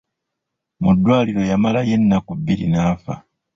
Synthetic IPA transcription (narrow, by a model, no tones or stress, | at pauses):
mudːwaːliɾo̞jamalaje̞nːakuβːilinaːfa̰